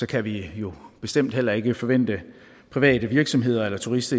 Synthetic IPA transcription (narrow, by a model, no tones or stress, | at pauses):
sɒ̽kʰæʋijo̝b̥e̝sd̥em̰d̥ɦel̰ɐe̝ɡ̥əfɒ̽ʋen̰d̥ə | pʰʁiʋɛ̰ːd̥əʋiɐɡ̥sɒ̽mɦe̝ð̞̰ˠɐelɐt͡sʰuʁisd̥ɐ